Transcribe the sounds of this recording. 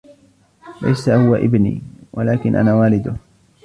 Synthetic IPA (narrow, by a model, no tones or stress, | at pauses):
la̰jsahʊwaʔɪ̰bnḭːwalaːkɪnʔa̰naːwaːlɪd̪ʊ